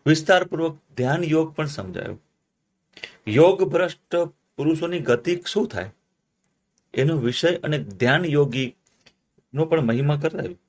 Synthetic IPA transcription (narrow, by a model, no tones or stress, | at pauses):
ʋɪst̪aɾpuɾʋək̚d̪ʱjanjoɡ̚pəɳsəmd͡ʒa̰jõ̰ | joɡbʱɾəʃʈ | puɾuʃoniɡət̪ikʃũt̪ʰa̰j | enoʋɪʃəjə̰ned̪ʱjanjoɡi | nõpəɳməɦimak̬əɾt̪a̰ju